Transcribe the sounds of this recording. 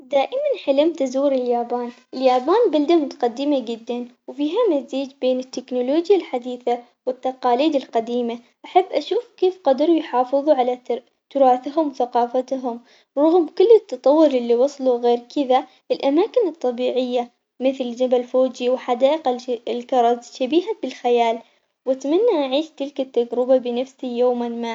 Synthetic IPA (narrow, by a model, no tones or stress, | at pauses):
d̪aːʔɪmanħɪlɪmt̪azuːɾɪljaːbaːnʔɪljaːbaːnbald̪amʊt̪ḁqad̪ːɪmad͡ʒɪd̪ːanwfiːɦamaziːd͡ʒbeːnɪt̪ːɪknuloːd͡ʒjalħad̪iːθa | wɪt̪ːɑqɑːliːd̪ɪlqad̪iːma | ʔaħabːʔaʃuːfkeːfqɑd̪ɾˤujħɑːfɨðˤuʕala | t̪ʊɾˤɑːθɦʊmwθaqɑːfat̪ɦʊm | ɾˤɑɣmkʊlːɪt̪ːɑt̪ˤɑwːʊɾˤɪlːiwɑsˤluɣeːɾkɪða | ʔɪlʔamaːkɪnɨt̪ˤːɑbiːʕɪjːa | mɪθld͡ʒabalfoːd͡ʒiwɪħad̪aːʔɪqaɪlkɑɾˤɑzʃabiːɦabɪlxajaːl | wat̪manːaʔaʕiːʃt̪ɪlkat̪ːad͡ʒɾɪbabɪnafsijoːmanmaː